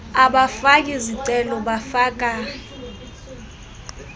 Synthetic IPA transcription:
aɓafak̬ʼiziǀɛlɔɓafaːk̬ʼa

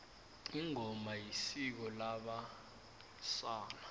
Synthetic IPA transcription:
iŋɔmajisik̬ɔlaɓa | saːna

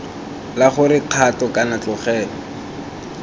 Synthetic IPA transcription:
laχʊrɪq͡χʰatɔkanat͡ɬɔχɛːlɔ

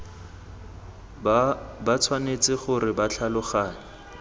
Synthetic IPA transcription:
bat͡sʰwanet͡sɪχʊrɪbat͡ɬʰalʊχaːnɪ

